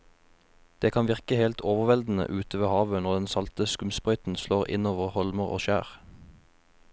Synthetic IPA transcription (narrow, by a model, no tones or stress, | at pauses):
d̪̥eːkʰɑnʋɪʁkəhelt̪ʰoːʋəʁʋɛld̪n̩ə̰ʔʉːt̪əʋeːhɑːʋənɔʁd̪ɛnsɑlt̪əskʉmspʁœʏt̪n̩sloːʁɪ̰noːʋəʁhɔlməʁo̰ːʃæ̰ːʁ